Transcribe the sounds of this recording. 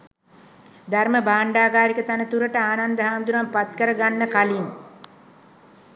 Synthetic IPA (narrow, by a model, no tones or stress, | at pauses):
d̪arməbaːɳɖaːɡaːɾikət̪anət̪uɾəʈəaːnand̪əɦaːnd̪uɾampat̪kəɾəɡanːəkaliŋ